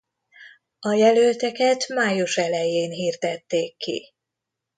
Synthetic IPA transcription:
ɒjɛlølt̪ɛkɛt̪maːjuʃɛlɛjeːnɦiːrd̪ɛt̪ːeːkːḭ

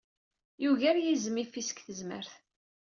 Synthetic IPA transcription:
juʝæɾjizmifisə̥kθəzmə̰ɾθ

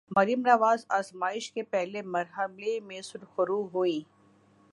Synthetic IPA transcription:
mɐɾijəmɾaʋaːzaːzmaːɪʃkepɛɦlemɐɾɦəlemẽsʊɾxʊɾuɦuĩː

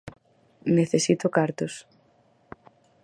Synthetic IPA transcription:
neθesit̪okaɾt̪os

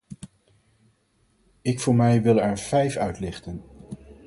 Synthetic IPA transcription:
ɪkfʊːɹmɛjʋɪlˠɛɹv̥ɛjfœɥtlɪχtən

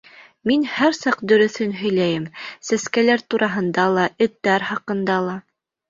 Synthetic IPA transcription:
minhæɾsɑqd̪ɵ̆ɾɵ̆θɵnɦɵ̆jlæjɘmsæskælæɾt̪uɾʔɑɦɤ̆nd̪ɑlˠɑʔɘ̆t̪ːæɾhɑqɤ̆nd̪ɑlˠɑ

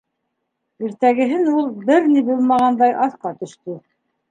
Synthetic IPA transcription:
iɾt̪æɡɘ̆ɦɘnulˠbɘɾnibulˠmɑʁɑnd̪ɑjʔɑθqɑt̪ɵ̆ʃt̪ɵ

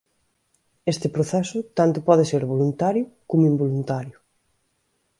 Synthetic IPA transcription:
est̪ɪpɾoθɛsʊt̪ant̪ʊpɔð̞eseɾβolunt̪aɾjʊkomʊimbolunt̪aɾjʊ

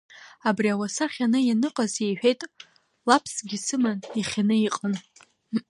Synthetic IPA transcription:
abriawasaχʲanɨjanɨqʼazejħʷᶣe̞jtʼ | lapʰsɡʲisɨmaniχʲanɨiqʼən

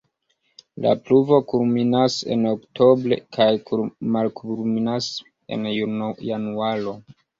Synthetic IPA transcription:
la̰pluvo̞kulminasḛnoktʰo̞bɾe̞̰kʰajkumalkulminas | e̞̰njujanuaɾo̞

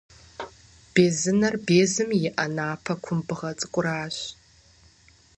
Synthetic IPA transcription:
b̥eːzɨnɐrbeːzɨmjɪʔɐnaːpʰɐkʷʰʊmbɨʁɐt͡sʼɨkʷʼʊɾaːɕ

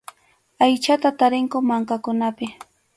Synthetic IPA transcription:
ajt͡ʃat̪at̪aɾɪŋkʊmaŋkakʊnapɪ

